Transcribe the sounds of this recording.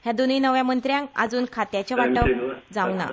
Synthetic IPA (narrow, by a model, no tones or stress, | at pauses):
hjãd̪oninəʋjãmənt̪ɾjãŋka̰d͡zuːnkʰat̪jat͡ɕeʋaʈəd͡zawna̰